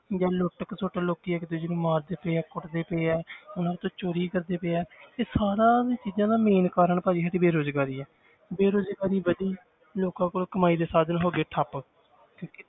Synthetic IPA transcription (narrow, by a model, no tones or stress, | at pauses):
d͡ʒãːloʈəksoːʈaːloːkiːɛːkɪd̪ʊd͡ʒinũːmaːɾd̪eːpeːɛːkʊʈd̪eːpeːɛːʊnãːt̪õːt͡ʃoːɾiːkəɾd̪eːpeːɛːt̪eːsaːɾãːit͡ʃiːd͡ʒãːd̪aːmeːnkaːɾəɳpaːd͡ʒiːɦaːʈiːbeːɾoːzɡaːɾiːɛː | beːɾoːzɡaːɾiːʋəd̪iː | loːkãːkoːlkəmaːiːd̪eːsaːd̪nɦoːɡeːʈʰəp | kjõːkɪ